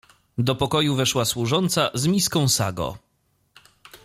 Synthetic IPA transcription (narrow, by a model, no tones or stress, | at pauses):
d̪ɔpɔkɔjuvɛʂwaswuʐɔnt̪sazmʲiskɔ̃w̃sa̰ɡɔ̰